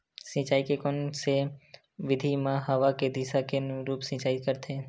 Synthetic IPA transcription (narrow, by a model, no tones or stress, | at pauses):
sĩːt͡ʃaːikekɔnse | ʋɪd̪ʱimãɦəʋaked̪isakeɾuːpsĩːt͡ʃaːikəɾt̪eː